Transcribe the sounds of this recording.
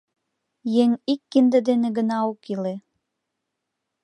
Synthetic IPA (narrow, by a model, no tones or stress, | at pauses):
jeŋikːind̪ə̆d̪enĕɡə̆nɑokile